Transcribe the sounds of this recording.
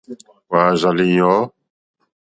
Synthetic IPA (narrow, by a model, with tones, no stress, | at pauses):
waː˨za˨li˨jɔ˨˦